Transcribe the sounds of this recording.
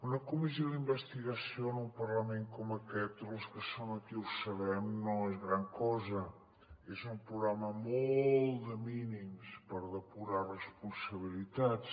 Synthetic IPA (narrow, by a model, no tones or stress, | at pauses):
unɐkumis̬joðimbəst̪iɣɐsjonumpɐɾlɐmẽŋkomɐkɛt̪luskəsoŋɐkiuwsɐβɛmnõŋɛzɣɾaŋkɔzɐ | ɛzumpɾuɣɾamɐmolˠd̪əminimspəɾðəpuɾarəspunsɐβilit̪at̪